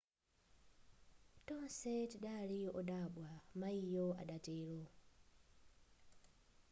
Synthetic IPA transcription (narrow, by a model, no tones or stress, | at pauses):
tɔnsɛtiɗaliɔɗaɓwamaijɔa̰ɗatɛːlɔ